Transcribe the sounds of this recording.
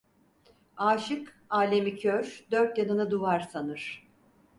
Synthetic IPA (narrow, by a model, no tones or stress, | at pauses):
aːʃɯk | aːlʲemicʰøɾd̪øɾt̪̚janɯnɯd̪uvaɾsanɯɾ̥